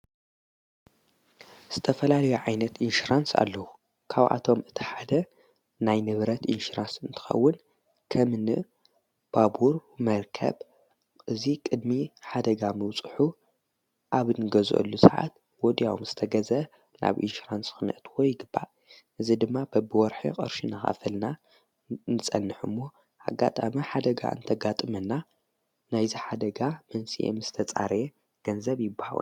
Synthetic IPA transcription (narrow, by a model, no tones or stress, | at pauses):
z̥ɨt̪ʰɐfɐlalɐjuʕajnɐt̪inʃuɾansa̰lːɐwu | kʰaβʔa̰t̪ʰo̞mɨt̪ʰi̥ħad̪ɐ | najnɨβɾɐt̪ʔinʃuɾansɨnt̪ʰɨ̥xɐ̰wːʊn | kʰɐmɨnɨ̰ | b̥abuɾmɐɾkʰɐ̰β | ʔɨzikʼɨd̪miħad̪ɐɡamɨwt͡sʼɨħu | ʔaβnɨɡɐzʔo̰lːusaʕa̰t̪̚ | wɔd̪ijawumz̥ɨt̪ʰɐɡɐzɐ | nʔa̰βʔḭʃɾansxɨnʔɐt̪wɔjːɪɡɨbːa̰ | ʔɨzid̪ɨmːabɐbɨwɔɾħḭkʼɐ̰ɾʃinaxa̰fɐlna | nɨsʼɐnːɨħumːo̞ | ʔa̰ɡa̰t̪ʼamiħad̪ɐɡa̰ʔɨ̰nt̪ʰɐɡat̪ʼɨmɐnːa | najziħad̪ɐɡamɐnsiʔḛmz̥ɨt̪ʰɐt͡sʼa̰ɾje | ɡ̥ɐnzɐβjɪbːaha̰wṵn